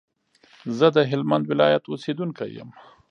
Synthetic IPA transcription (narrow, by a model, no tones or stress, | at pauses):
zəd̪əɦɪlmand̪wɪlɑjat̪osed̪uŋka̰jə̰m